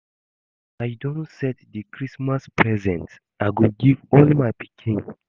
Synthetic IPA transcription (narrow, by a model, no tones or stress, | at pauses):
ajdõntsɛtdɨkɹismaspɹɛzɛ̃ns | ʔaɡuɡivɔlmajpikʰĩŋ